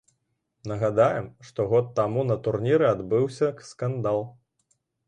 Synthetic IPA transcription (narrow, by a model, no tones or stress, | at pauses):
nɐɣad̪ajɛmʂt̪ɔɣɔt̪ːamunɐt̪urnʲiɾɨad̪bɨwsʲɐkskand̪alˠ